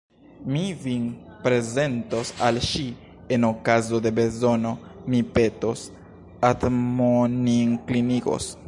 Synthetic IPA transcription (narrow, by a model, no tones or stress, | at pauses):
mivinpɾe̞ze̞ntosalʃi | e̞nokazo̞d̪e̞be̞zo̞no̞mipe̞tos | atmoniŋkliniko̰s